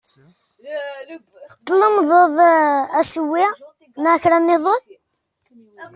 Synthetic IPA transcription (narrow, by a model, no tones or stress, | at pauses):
t̪ˤːlːəmðˤoðˤæswːɪ | nʕçɾænːɪðˤoðˤ